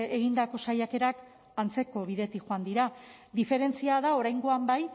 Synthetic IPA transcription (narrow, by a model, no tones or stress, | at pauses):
eɣind̪ako̞sajake̞ɾak | ant͡se̞ko̞βið̞e̞t̪ixoand̪iɾa | d̪ife̞ɾe̞nt͡siaðao̞ɾajŋɡo̞ambaj